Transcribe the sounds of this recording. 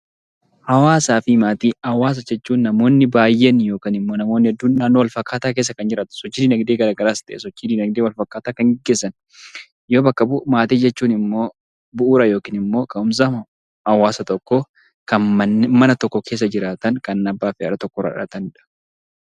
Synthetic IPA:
hɐwaːsaːfɪmaːt̪iːɐwaːs̬ɐd͡ʒɛt͡ʃːuːnːɐmo̞ːnːɪbaːjːenjo̞ːkaːnɪmːo̞ːnɐmo̞ːnːɪɐd̪ːʊnːaːnːɔwɐlfɐkːaːt̪aːk̬eːs̬ːɐkɐnd͡ʒɪɾaːt̪ɐ̥sɔt͡ʃːiːd̪inɐɡd̪eːɡɐɾaːɡɐɾaːst̪ɐʔɛsɔt͡ʃːiːd̪inɐɡ̚d̪ewɐlfɐkːaːt̪aːkɐŋɡɛɡːeːsːɐn | joːbɐkːɐbʊʔmaːt̪iːd͡ʒɛt͡ʃːuːnɪmːo̞ː | bʊʔuːɾɐjo̞ːkiːnɪmːo̞ːkɐnʊms̬ɐ | ɐwaːsɐt̪ɔkːoː | kɐnmɐnːmɐnɐt̪ɔkːɔkʰe̞ːs̬ːɐd͡ʒɪɾaːt̪ɐŋkɐnɐbːaːfɪɐɾɐt̪ɔkːɔɾɐ̰ᶑɐ̰t̪ɐnɪᶑɐ̥

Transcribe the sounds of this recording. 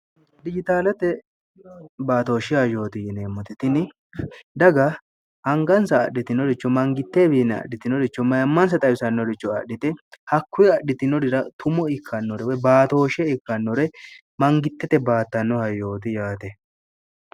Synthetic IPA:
d̪ɪd͡ʒɪt̪aːlɐt̪ɛ | baːt̪o̞ːʃɪajo̞ːt̪ɪjɪneːmːɔt̪ɪt̪ɪnɪ | d̪ɐɡɐ | ʔɐŋɡɐnsɐːɗɪt̪ɪnɔɾɪt͡ʃːɔmɐŋɡɪt̪ːeːbiːnɛɐ̰ɗɪt̪ɪnɔɾɪt͡ʃːɔmɐjɐmːɐnsɐt̪ʼɐjsɐnːɔɾɪt͡ʃːɔɐɗɪt̪ɛhɐkːʊjɛɐɗɪt̪ɪnɔdɪɾɐt̪ʊmɔɪkʰːɐnːɔɾɛwɔjbaːt̪o̞ːʃɛɪkːɐnːɔɾɛ | mɐŋɡɪt̪ːɛt̪ɛbaːt̪ːɐnːɔhɐjːo̞ːt̪̬ɪjaːt̪ɛ

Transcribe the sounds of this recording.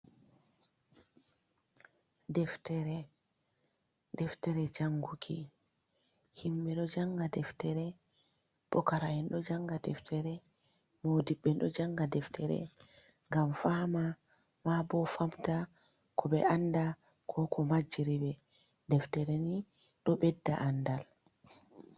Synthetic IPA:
dɛftɛɾɛ | dɛftɛɾɛd͡ʒaŋɡukʰḭ | himːɛɗɔd͡ʒaŋɡadɛftɛɾɛ | ɓɔkaɾahɛnɗɔd͡ʒaŋɡadɛftʰɛɾɛ | modiɓːɛnɗɔd͡ʒaŋɡadɛftʰɛɾɛ̰ | ŋɡamfama | mabɔfamta | kʰɔɓɛ̰ʔanda | kʰɔkʰɔmad͡ʒiɾibɛ | dɛftɛɾɛni | ɗɔɓɛdːa̰ʔandal

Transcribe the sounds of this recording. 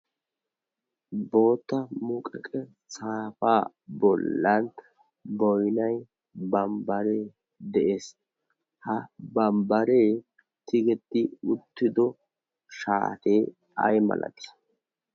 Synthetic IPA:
bo̞ːt̪ːɐmʊkʼɛkʼɛ | saːfaː | bɔlːɐnt̪ | bɔjnɐj | bɐmbɐɾeː | d̪ɛʔe̞ːs | hɐbɐmbɐɾe̞ː | t̪ɪɡɛt̪ːɪʊt̪ːɪd̪ɔ | ʃa̰ːt̪eː | ɐ̰jmɐ̰lʔɐ̰t̪ɪ̥

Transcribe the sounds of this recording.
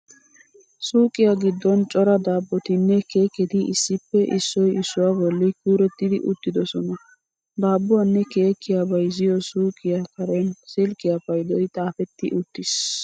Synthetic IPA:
suːkʼɪjaɡɪd̪ːɔnt͡ʃʼɔɾɐd̪aːbːɔt̪ɪnːɛke̞ːkːɛd̪ɪɪsːɪpːɛʔɪsːɔjɪsːʊwaːbɔlːɪkuːɾɛt̪ːɪd̪ɪʔʊt̪ːɪd̪ɔsɔnɐ | d̪aːbːʊanːɛke̞ːkːɪjabɐjzɪjɔsuːkʼɪjakɐɾɛnsɪlkʼɪjapɐjd̪ɔjt̪ʼaːfɛt̪ːɪ̰ʔʊt̪ːɪs

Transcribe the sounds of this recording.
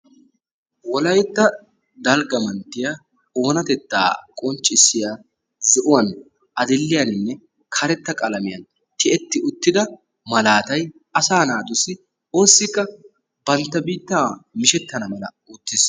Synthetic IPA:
wɔlɐjɛt̪ːɐ | d̪ɐlɡɐmɐnt̪ːɪja | o̞ːnɐt̪ɛt̪ːa̰ːkʼɔnt͡ʃʼːɪsːɪjaː | zɪʔʊwɐn | ʔɐd̪ɪlːɪjɐnɪnːɛ | kʰɐɾɛt̪ːɐkʼɐlɐmɪjɐn | t̪ɪɛt̪ːɪʊt̪ːɪd̪ɐ | mɐlaːt̪ɐj | ɐsaːnaːd̪ʊsɪ | o̞ːsːɪkːɐ | b̥ɐnt̪ːɐbiːt̪ːaːmɪʃɛt̪ːɐnɐmɐlɐ | ʊt̪ːɪs

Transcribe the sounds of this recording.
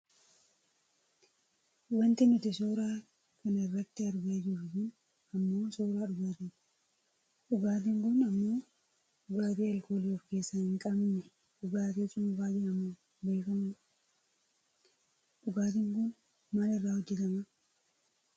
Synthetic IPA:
wɐnt̪ɪmɪt̪ɪsoːɾaː | kɐnɐɪrːɐt̪ːɪɐɾɡɐd͡ʒɪfʊkʊn | ɐmːo̞ːsoːɾaːᶑʊɡaːt̪ɪn | ᶑʊɡaːt̪̬ɪŋkʊnɐmːo̞ː | ᶑʊɡaːt̪iːɐlko̞ːliːɔfke̞ːsːɐhɪŋkʼɐmnɛ | ᶑʊɡaːt̪iːt͡ʃʼʊmʊfaːd͡ʒɛnɐmɐ | be̞ːkɐmɐ | ᶑʊɡaːt̪̬ɪŋkʊn | maːlɪrːaːhɔd͡ʒːɪt̪ɐmɐ

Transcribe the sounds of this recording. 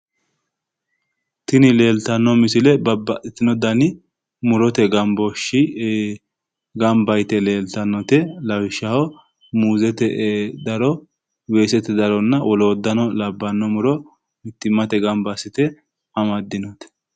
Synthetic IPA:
t̪ɪnɪle̞ːlt̪ɐnːɔmɪsɪlɛbɐbːɐʔɪt̪ːɪnɔd̪ɐnɪ | mʊɾɔt̪ɛɡɐmbɔʃɪ | ɡɐmbɐjt̪ɛle̞ːlt̪ɐnːɔt̪ɛlɐwɪʃːɐhɔ | muːzɛt̪ɛd̪ɐɾɔ | we̞ːsɛt̪ɛd̪ɐɾɔnːɐwɔloːd̪ːɐnɔlɐbːɐnːɔmʊɾɔ | mɪt̪ːɪmːɐt̪ɛɡɐmbɐsɪt̪ɛ | ɐmɐd̪ːɪnɔt̪ɛ̥

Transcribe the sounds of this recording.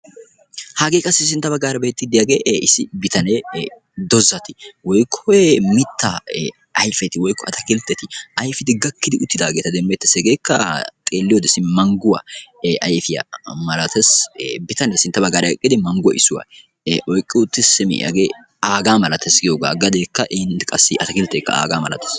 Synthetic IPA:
hɐɡeːkʼɐsːɪs̬ɪnt̪ːɐbɐɡːaːɾɐbe̞ːt̪ːɪd̪ɪjaːɡeːɪsɪbɪt̪ɐnɛ | d̪ɔzːɐt̪ɪ̥wɔjkʰːɔemɪt̪ʰːa | ɐjfɛt̪ɪwɔjkːɔɐt̪ɐkɪlt̪ːɛt̪ɪʔɐjfɪd̪ɪɡɐkːɪd̪ɪʔʊt̪ːɪd̪aːɡeːt̪ɐd̪ɛmːɛt̪ːɐsɛɡeːkːɐt̪ʼeːlːɪjoːd̪ɛsɪmɐŋɡʊwa̰ʔɐjfɪjɐ̰mɐlɐt̪ʰɛsbɪt̪ɐnɛsɪnt̪ːɐbɐɡaːɾɐɛkʼːɪd̪ɪmɐŋɡʊwɐ̰ʔɪsːʊwa̰ː | ʔɔjkʼːɪʊt̪ːɪsːɪmɪ̰ʔɐ̰ɡe | aːɡaːmɐlɐt̪ɛsɡɪjoːɡa̰ːɡɐd̪ekːɐʔɛɪnt̪kʼɐsːɪʔɐt̪ɐkɪlt̪ːɛːkːɐ̰a̰ːɡaːmɐlɐ̰t̪ɐ̥s

